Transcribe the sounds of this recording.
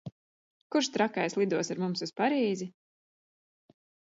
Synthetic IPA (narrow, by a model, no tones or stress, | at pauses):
kuɾʃt̪ɾakajslˠid̪uɔsaɾmumsuspaɾiːzi